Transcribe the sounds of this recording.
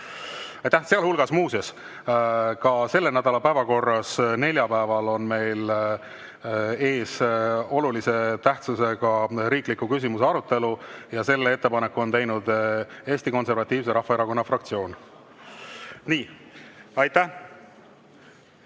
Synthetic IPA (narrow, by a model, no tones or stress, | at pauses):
ɑjt̪æhseɑlhulɡ̥ɑsmuːsɑs | kɑse̞lːe̞næd̪ɑlɑpæevɑko̞rːɑsne̞lʲjɑpæevɑlo̞nme̞jl | e̞ːso̞lulise̞t̪æht̪suse̞ɡɑɾiːklikːˑukys̬ʲimuse̞ɑɾut̪ːe̞lujɑse̞lːee̞t̪ːe̞pɑne̞kːuo̞nt̪ejnud̪e̞ːsʲt̪iko̞nse̞ɾvɑt̪ʲːˑiːvs̬e̞ɾɑhːɑe̞ɾɑko̞nːɑfrɑk̚t̪sio̞ːn | niː | ɑjt̪æ